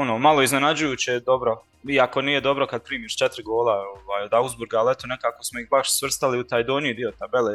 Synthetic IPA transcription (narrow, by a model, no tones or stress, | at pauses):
onoːmalˠo̞iznenad͡ʑujuːt͡ɕed̪o̞bɾo | iako̞niːjed̪o̞bɾo̞kad̪̚pɾiːmiːʃt͡ʃet̪ɾiɡoːlˠaoʋaːjod̪awzbuɾɡaːlɛt̪one̞kaːkosmoihbaʃsʋr̩st̪aliut̪aːjd̪oːniid̪io̞t̪abeleː